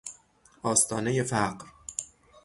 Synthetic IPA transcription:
ɒːst̪ʰɒːnejefæɢɾ

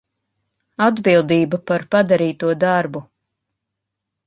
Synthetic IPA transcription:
ad̪bilˠd̪iːbapaɾpad̪aɾiːt̪uɔd̪aɾbu

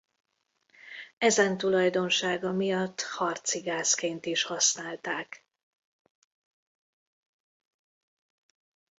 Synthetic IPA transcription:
ɛzɛnt̪ulɒjd̪o̞nʃaːɡɒmijɒt̪ːhɒrt̪siɡaːskeːnt̪iʃhɒsnaːlt̪aːk

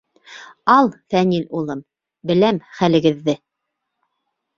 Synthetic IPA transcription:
ɑlˠfænilulˠɤm | bɘ̆læmχælɘ̆ɡɘ̆ðːɘ

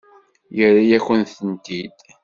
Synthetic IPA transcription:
jəɾajæçənθənt̪id̪

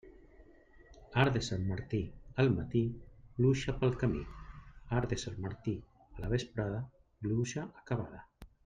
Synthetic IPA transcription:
aɾðesamːaɾt̪iəlˠmat̪iluʃapəlˠkamḭaɾðesalmaɾt̪i | əlaβespɾaðə | luʃaʔakaβ̞aða

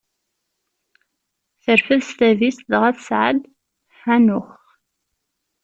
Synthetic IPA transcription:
θəɾfəðst̪ævisðʁæθsʕə̰d̪ | ħænʊχ

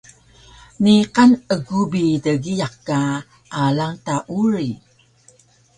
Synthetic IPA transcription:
niqanəɡubidəɡijaqka | ʔalaŋtaʔuɾi

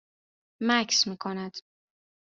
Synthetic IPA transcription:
mæcʰsmiːkʰonæd̪̥

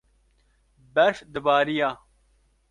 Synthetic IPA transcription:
bɐʂd̪əbaːɾijaː

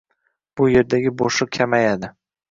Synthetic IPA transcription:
b̥ʊje̞ɾd̪aɡʲɪboʃʊkʲʰamajad̪ɪ

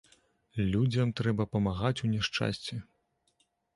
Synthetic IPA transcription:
lʲud͡zʲɐmt̪ɾɛbɐpɐmaɣat͡sʲunʲɛʂt͡ʂa̰sʲt͡sʲɛ

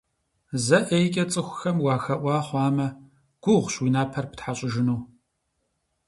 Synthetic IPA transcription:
zɐʔejkʲʼɐt͡sʼɨxʷʊxɐmwɑːxɐʔʷɑːχʷɑːmɐ | ɡ̥ʷʊʁʷɕwinaːpʰɐrpɨ̥tħaɕʼɪʒɪnuː

